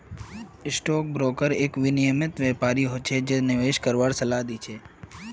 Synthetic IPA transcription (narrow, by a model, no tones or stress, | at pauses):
ɪsʈɔk̚bɾokəɾekʋɪnɪjəmɪt̪ʋɛpaɾiɦot͡ʃʰed͡ʒenɪʋeʃkəɾʋaɾsəlad̪it͡ʃʰe